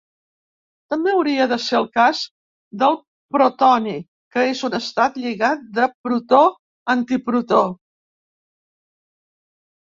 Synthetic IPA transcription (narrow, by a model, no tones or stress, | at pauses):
t̪əmbeəwɾiəðəseəlˠkaz | d̪əlˠ | pɾut̪ɔni | kəezunəst̪at̪ʎiɣat̪̚d̪əpɾut̪o | ənt̪ipɾut̪o